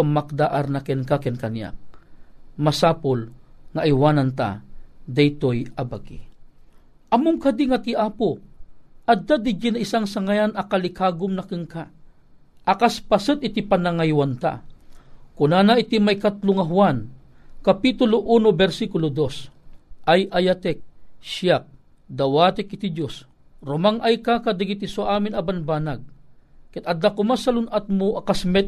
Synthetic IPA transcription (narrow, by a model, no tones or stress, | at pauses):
amak̚d̪aʔaɾnakɛnkakɛnkanja̰k̚ | masaːpʊlŋaʔjwaːnant̪a̰d̪ajt̪ojɐbaɡḭ | ʔɐmʊŋkad̪iŋat̪iʔaːpo | ɐd̪ad̪ɪd͡ʒɪnaisaŋsaŋajanɐkalɪkaːɡʊmnɐkɨŋka | ʔakaspasɨt̪̚ɪt̪ipanaŋajwant̪a̰ | kʊnanaʔɪt̪imajkat̪loŋaɦʊwan | kapit̪ʊloʔuːnobɛɾsikʊlod̪osʔajʔajat̪ɛk̚ʃjak̚ | d̪ɐwaːt̪ɪk̚ʔɪt̪id͡ʒos | ɾʊmaŋʔajkakad̪ɪɡit̪isoʔaːmɪnɐbanbaːnaɡ̚kɛt̪ɐd̪ːakʊmasɐlʊnʔat̪̚moʔakasmɛ